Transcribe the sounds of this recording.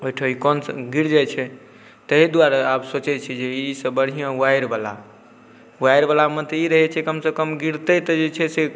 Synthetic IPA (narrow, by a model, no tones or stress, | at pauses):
oiʈʰəikɔnsɡiɾd͡ʒat͡ʃʰɛ | t̪əɦid̪uaɾaabsot͡ʃɛt͡ʃʰid͡ʒeisəbəɽ̤ijə̃uajɾbala̰ | uajɾbalamət̪iɾəɦɛt͡ʃʰɛkəmsekəmɡiɾt̪ət̪d͡ʒet͡ʃʰɛse